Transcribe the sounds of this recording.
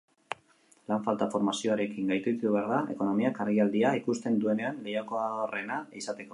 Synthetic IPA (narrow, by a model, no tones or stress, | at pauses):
laɱfalt̪afo̞ɾmasio̞aɾe̞kiŋɡajt̪ut̪uuβ̞aɾðae̞̰ko̞no̞miakaɾɣiald̪iaikust̪e̞nd̪ue̞ne̞anle̞jako̞aore̞naisat̪e̞ko̞